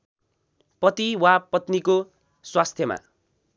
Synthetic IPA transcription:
pʌt̪iwapʌt̪niko | swast̪ʰjʌma̰

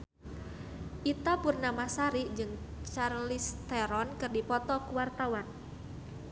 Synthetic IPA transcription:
ʔit̪apurnamasaɾiʔd͡ʒɨŋt͡ʃarlist̪ɛɾɔnkɨrdipɔt̪ɔkuwart̪awan

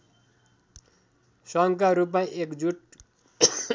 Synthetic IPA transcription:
sʌŋkaɾup̬mãʔekd͡zuʈ

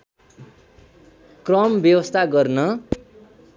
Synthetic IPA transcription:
krʌmbjʌwʌst̪ʰaɡʌrnʌ

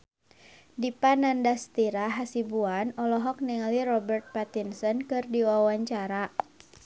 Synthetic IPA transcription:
dipanandast̪iɾaɦasibuanɔlɔɦɔk̚niŋalirɔbɛrt̪̚pat̪insɔnkɨrdiwawaɲt͡ʃaɾa

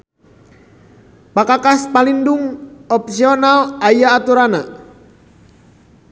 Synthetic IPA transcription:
pakakaspalinduŋɔp̚siɔnalajaːt̪uɾana

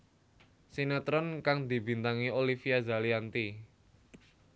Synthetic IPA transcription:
senat̪ɾɔnkaŋd̪i̤bi̤nt̪aŋiolifiazaliant̪i

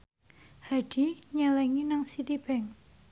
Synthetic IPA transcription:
haɖ̥iɲalɛŋinaŋsit̪ib̥ɛŋ

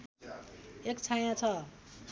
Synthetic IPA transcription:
ek̚t͡sʰaj̃ãt͡sʰʌ

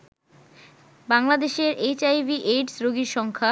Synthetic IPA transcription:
baŋlad̪eʃeɾʔet͡ɕajbiʔeɖsɾoɡiɾʃɔŋkʰa

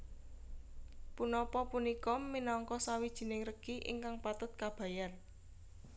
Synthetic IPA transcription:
punɔpɔpunikɔminɔŋkɔsawid̥ʒ̥i̤nɪŋrəɡ̥iʔḭŋkaŋpat̪ʊt̪̚kab̥ä̤jan

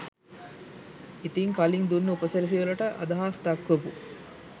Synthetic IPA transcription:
it̪iŋkaliŋd̪unːəupɐsɐɾis̬iʋɐlɐʈɐʔɐ̰d̪ɐɦaːst̪akːʋɐbu

